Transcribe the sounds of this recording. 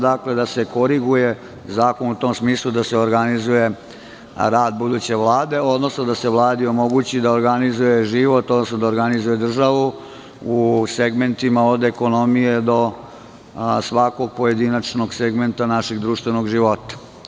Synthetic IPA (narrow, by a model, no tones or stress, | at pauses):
d̪akled̪ase̞ko̞ɾiɡuje | zaːko̞nut̪oːmsmiːslˠud̪aseoɾɡanizuje̞ | ɾaːd̪̚bud̪ut͡ɕe̞ʋlˠaːd̪e̞o̞d̪nosnod̪aseʋlˠaːd̪io̞mo̞ɡut͡ɕid̪aoɾɡanizujeʒiʋo̞t̪o̞d̪nosnod̪aoɾɡanizujed̪r̩ʒaʋu | useɡment̪imaod̪eko̞no̞mije̞d̪o̞ | sʋako̞ɡ̚poje̞d̪inat͡ʂno̞ɡseɡment̪anaʃeɡd̪ɾuːʃt̪ʋeno̞ɡʒiʋo̞t̪ḁ